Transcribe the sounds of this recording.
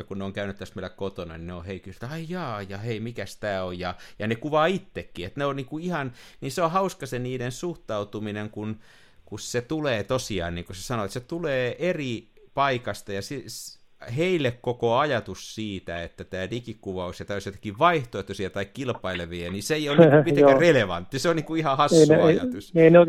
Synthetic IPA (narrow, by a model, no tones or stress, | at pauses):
jɑkunneoŋkæynyt̪t̪æsmilækkot̪onɑ̰nineoheikyst̪ɑijɑːjɑheimikæst̪æːojjɑjɑnekuʋɑːit̪ːekːiet̪neonniːkuihɑnniːseohɑuskɑsenniːdensuht̪ɑut̪umineŋkun | kusset̪uleːt̪osiɑ̰ːnniːŋkusesɑnoet̪set̪uleːʔeri | pɑikɑst̪ɑjɑsi | heilːekkokoɑjɑt̪ussiːt̪æet̪ːæt̪æːdikikkuʋɑusjɑt̪æːosjot̪ɑ̥kiʋʋɑiht̪oet̪ːusiɑt̪ɑikkilpɑileʋiæniseeijolːnipikæreleʋɑ̰nt̪ːiseonniːŋkuihɑhɑsːionɑjɑ̰t̪useino